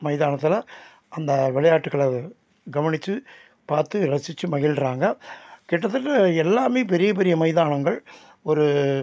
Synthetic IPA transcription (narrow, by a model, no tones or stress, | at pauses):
mɐɪðaːɳɐt̪ːɯlɐ | ɐnd̪ɐʋɪɭɐjaːʈːɯkːɐɭɐ | ɡɐʋɐɳɪt͡ʃːɯ | paːɾt̪ɯɾɐsɪt͡ʃːɯmɐɣɪlɾaːŋɡɐkɛːʈːɐt̪ːɯʈːɐɛlːaːmeːpɛɾɪjɐp̬ɛɾɪjɐmɐɪðaːɳɐŋɡɐɭ | ɔɾɯ